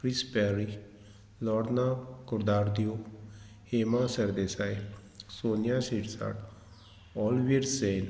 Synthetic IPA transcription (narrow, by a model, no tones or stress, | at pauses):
kɾispɛɾi | lɔːɽnakʊɾd̪aːɾd̪iju | heːmasɐɾd̪esaj | soːnjasiʈsa̰ɽ | ɔːlʋiɾsen